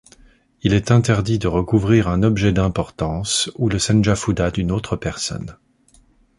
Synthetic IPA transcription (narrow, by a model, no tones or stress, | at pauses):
ilɛt̪ɛ̃t̪ɛʁd̪id̪əʁəkuvʁiʁɛ̃nɔbʒɛd̪ɛ̃pɔʁt̪ɑ̃suləsɛnʒafud̪ad̪ynot̪χəpɛʁsɔ̰n